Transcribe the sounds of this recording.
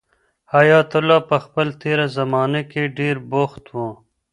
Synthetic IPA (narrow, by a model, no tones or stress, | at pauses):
hɐjɑːt̪ulːaːpɐxpəlt̪eːɾazɐmɑːnekeɖeːɾboxt̪wõː